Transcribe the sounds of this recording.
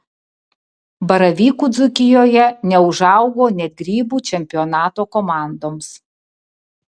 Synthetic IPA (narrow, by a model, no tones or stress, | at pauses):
bɐɾɐʋʲiːkuːd̪zʊkʲɪjoːjɛnʲɛʊʒɑˑʊɡoːnʲɛt̪̚ɡɾʲiːbuːt͡ʃʲɛmʲpʲɪɔnɑːt̪oːkɔmɑˑnd̪oːms